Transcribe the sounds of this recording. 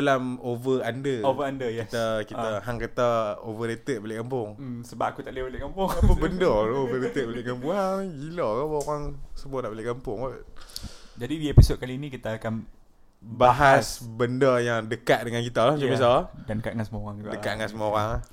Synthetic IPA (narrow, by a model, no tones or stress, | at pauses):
alamovəandəovəandəjit̪akiaɦaŋkət̪aovəɾet̪əʔ̪̚bolekampʊŋsəbapakut̪aʔlibolɪkampʊŋapəbəndəovəɾet̪ət̪̚bolɪkampʊŋɦad͡ʒilɔkabəoɣaŋsəmuanaʔbolɪhkampʊŋoʔ | d͡ʒadidiepisot̪̚kalinikit̪aakan | baɦasbəndəjaŋdəkat̪̚dəŋankit̪alahmat͡ʃabis̬adanəkaʔ̚ŋansəmuɣaŋdəkat̪̚ŋansəmuaoɾaŋ